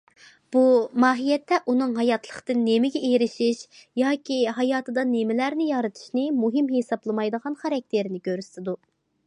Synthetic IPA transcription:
b̥umɑːɦijɛt̪ʰːɛʔunɨŋɦɑjɑt̪ʰlˠəχt̪ɨnːemɪɡʲɛejɾɪʃiʃjɑːkʲʰiɦɑjɑːt̪ʰɨd̪ɑnemɪlæɾnɪjɑɾɨt̪ʰɨ̥ʃnɪmuɦɪmɦesɑblˠɨmɑjd̪əʁɑnχɑɾɑk̚ʲt̪ʰeɾɪnɪkʲʰøɾysɪd̪u

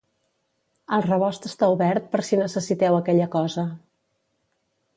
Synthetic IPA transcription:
əlˠrəβɔst̪əst̪auβɛɾt̪̚pəɾsinəsəsit̪ɛwəkɛʎəkɔzə

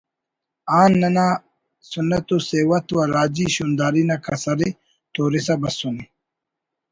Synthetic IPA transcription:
aːnːɐna | sunːɐt̪useːwɐt̪wɐɾaːd͡ʑiɕuːnd̪aːɾinakʰɐsɐɾi | t̪oːɾisɐbɐsuni

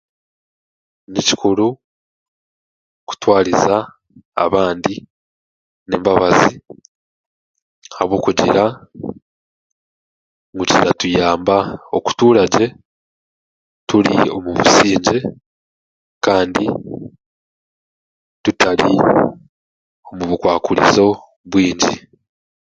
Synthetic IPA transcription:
neci̥kʰuɾu | ku̥twaːɾiza̰ː | βaːndi | neːmbaβazi | haβwo̞ːkuɟiɾa | ŋɡucitatujaːmbao̞ku̥tuːɾaɟe̞ | tulḭo̞muβusiːɲɟe̞ | kaːndi | tutali | o̞muβukwaːkulḭzo̞ | βwiːɲɟḭ

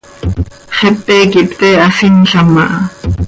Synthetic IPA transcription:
χepːɛːkipt̪ɛːasinɬamɑʔɑ

